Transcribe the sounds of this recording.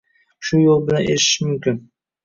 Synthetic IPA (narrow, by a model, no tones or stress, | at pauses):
ʃʊjolˠbɪlaneɾʃɪ̥ʃmʊmkʲɪn